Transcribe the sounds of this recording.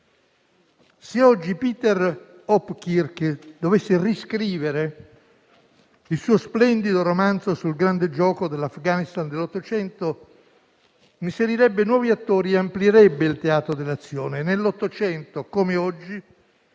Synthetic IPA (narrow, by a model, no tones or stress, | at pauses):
seɔd͡ʒːipiːt̪ɛr | ɔpːkirkd̪ovesːeriskɾiːveɾe | ilsuːosplɛnd̪id̪oɾomant̪zosulɡɾand̪ed͡ʒɔːkod̪elːafɡanist̪and̪elːot̪ːot͡ʃɛnt̪o | imseɾiɾɛbːenwɔːviat̪ːoːɾieampljeɾɛbːeilt̪eaːt̪ɾod̪elːat̪sːjoːnenelːot̪ːot͡ʃɛnt̪okomeɔd͡ʒːi